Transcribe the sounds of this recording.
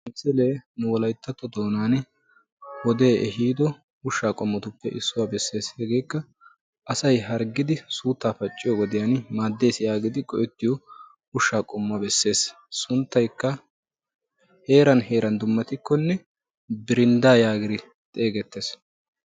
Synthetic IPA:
msɛle̞ːnʊwɔlɐjt̪ːɐt̪ːɔd̪o̞ːnaːn | hɔd̪e̞ːʔɛɦiːd̪ɔ | ʊʃːaːkʼɔmːɔt̪ʊpːɛʔɪsːʊwaːbɛsːe̞ːshɛɡe̞ːkːɐ | ʔɐsɐjɦɐɾɡɪd̪ɪsuːt̪ːaːfɐt͡ʃʼːɪjɔɡɔd̪ɪjanmaːd̪ːe̞ːsɪjaːɡɪd̪ɪkʼɔʔɛt̪ːɪjɔ | ʊʃːaːkʼɔmːɐbɛsːe̞ːs | sʊnt̪ːɐjkːɐ | heːɾɐnhe̞ːɾɐnd̪ʊmːɐt̪ɪkːɔnːɛ | bɪɾɪnd̪aːjaːɡɪd̪ɪ | t̪ʼe̞ːɡɛt̪ːe̞ːs

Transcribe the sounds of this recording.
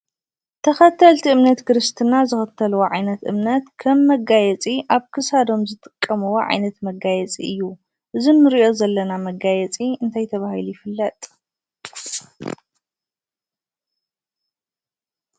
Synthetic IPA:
t̪ʰɐxɐt̪ʰːɐlt̪ʰiɨmnɐt̪kɨɾɨst̪ʰɨnazɨxɐt̪ʰːɐlwoʕajnɐt̪ʔɨ̰mnɐt̪kʰɐmːɐɡajɛt͡sʼiʔaβkʰɨsad̪o̞mzɨt̪ʼɨkʼːɐmɨwoʕa̰jnɐt̪mɐɡajɛt͡sʼiɨjːu | ʔɨzinːɨɾiʔo̞zɐlːɐnamɐɡajɛt͡sʼiɨnt̪ʰajt̪ʰɐβahilujɪfɨlːɐt̪ʼ

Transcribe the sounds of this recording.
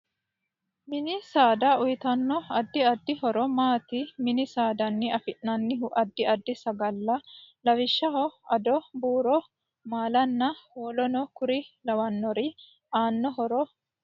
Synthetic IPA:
mɪnɪsaːd̪aʊjɪt̪ɐnːɔɐd̪ːɪɐd̪ːɪhɔɾɔmaːt̪ɪmɪnɪsaːd̪ɐnːɪɐfɪʔnɐnːɪɦʊʔɐd̪ːɪɐd̪ːɪsɐɡɐlːɐlɐwɪʃːɐɦɔɐd̪ɔbuːɾɔ | maːlɐnːɐhoːlɔnɔkʊɾɪlɐwɐnːɔɾɪ | aːnːɔɦɔɾɔ

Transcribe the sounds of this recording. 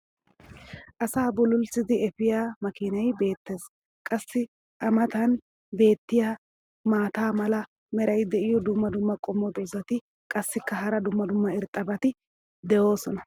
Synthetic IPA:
ʔɐsaːbɔlʊlsɪd̪ɪɛfɪjaːmɐkɪnɐjbe̞ːt̪ːe̞ːs | kʼɐsːɪ | ʔɐmɐt̪ɐn | be̞ːt̪ːɪjaː | maːt̪aːmɐlɐ | mɛɾɐjd̪ɛʔɪjɔd̪ʊmːɐd̪ʊmːɐkʼɔmːɔt̪ɔzɐt̪ɪ | kʼɐsːɪkːɐɦɐɾɐd̪ʊmːɐd̪ʊmːɐɪɾt̪ʼːɐbɐt̪ɪ | d̪ɛʔo̞ːsɔnɐ

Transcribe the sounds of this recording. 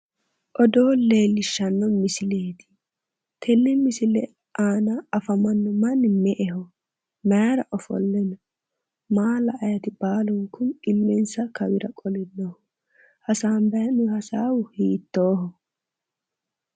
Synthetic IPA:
ʔɔd̪o̞ːle̞ːlːɪʃːɐnːɔmɪsɪleːt̪ɪ̥ | t̪ʰɛnːɛmɪsɪlɛ | ʔaːnɐɐfɐmɐnːɔmɐnːɪmɛʔɛhɔ | mɛɾɐʔɔfɔ̰lːɛnɔ | maːlɐʔːjɐt̪ɪbaːlɔŋkʊnɪlːɛnsɐkɐwɪɾɐkʼɔlɪnːɔh | hɐsaːmbɛjɐnʊɐsaːwʊhiːt̪ːoːɦɔ

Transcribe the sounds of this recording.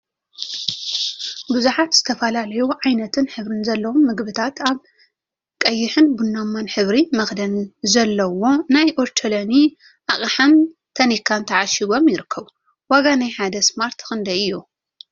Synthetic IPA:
bɨzuħat̪z̥ɨt̪ʰɐfɐlalɐjuʕajnɐt̪ʰɨnħɨβɾɨnzɐlːɐwomːɨɡbɨt̪ʰat̪ʰaβ | kʼɐjːɪħɨnbunːamːanħɨβɾimɐxd̪ɐnzɐlːɐwo̞najʔoɾt͡ʃʰɐlɐni | ʔaʔʼħamt̪ʰɐnikʰːant̪ʰɐʕaʃiɡo̞mjɪɾɨkʰːɐβ | waɡanajħad̪ɐsmaɾt̪xɨnd̪ɐɨjːu

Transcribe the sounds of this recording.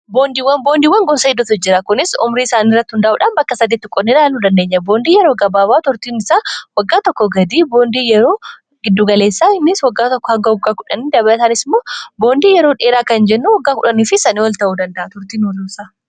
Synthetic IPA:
boːnd̪iːwːɐnbo̞ːnd̪iːwɐŋɡɔnsɐɡɪd̪ːʊt̪ʊd͡ʒːɪɾɐkʊnɪsʊ̰mɾiːɪsaːniːrːɐt̪ːɪhʊnd̪ɐʔuːᶑanbɐkːɐsɐd̪iːt̪ːɪkʼɔnːɪlaːlnuːd̪ɐnd̪e̞ːɲːɐbo̞ːnd̪iːjɛɾo̞ːɡɐbaːbaːt̪ʊɾt̪iːnɪsaːwɐɡːaːt̪ɔkːɔɡɐd̪iːboːnd̪iːjɛɾo̞ː | ɡɪd̪ːuːɡɐleːsːaːɪnːɪswɐɡːaːt̪ɔkːɔhɐŋɡɐʊɡːaːkʊᶑɐniːd̪ɐbɐlɐt̪aːnɪsmoːbo̞ːnd̪iːjɛɾo̞ːᶑeːɾaːkɐnd͡ʒɛnːuːwɐɡːaːkʊᶑɐniːfɪsɐniːwɐlt̪ɐʔuːd̪ɐnd̪ɐʔɐt̪ʊɾt̪iːnwɔlːusaː

